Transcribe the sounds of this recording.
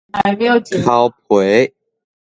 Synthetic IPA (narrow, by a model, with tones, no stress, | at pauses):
a˨˧˨m˥jo˨˩t͡ɕi˨a˨˦ʊp̚ʰwe˨˦ɪ